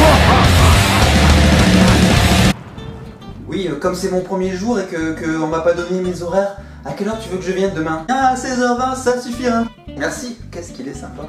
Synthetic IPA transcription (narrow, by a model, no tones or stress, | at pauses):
wiøkɔmsɛmɔ̃pχəmjeʒuʁekəkəɔ̃vapad̪ɔnnemezɔʁɛʁ | akʲɛlœʁt̪yvøkəʒəvjɛnd̪əmɛ̃ɛ̃asɛzœʁɛ̃sasyfiʁa | mɛʁsikʲɛskʲilɛsɛ̃pa